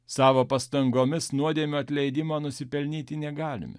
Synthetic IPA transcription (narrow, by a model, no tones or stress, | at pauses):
sɑːʋoːpɐst̪ɐŋɡoːmʲɪsnuɔd̪ʲeːmʲoːɐt̪ʲlʲɛɪd̪ʲɪmɑːnʊsʲɪpʲɛlʲnʲiːt̪ʲɪnʲɛɡɑːlʲɪ̰mʲɪ̰